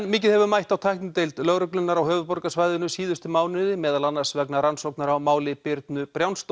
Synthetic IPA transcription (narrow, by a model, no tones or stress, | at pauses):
nmɪːc̬ɪðhɛvʏmajht̪awt̪ʰajhk̪nʏt̪ejlt̪lœɣɾʏklʏnːaɾawɦœːvʏpɔɾkasvaːjðʏnʏsiːðʏst̪ʏmaːwnɪðɪmɛːðalanːaɾ̥svɛknaɾansowknaɾawmaːwlɪpɪɾt̪nʏpɾjawnst̪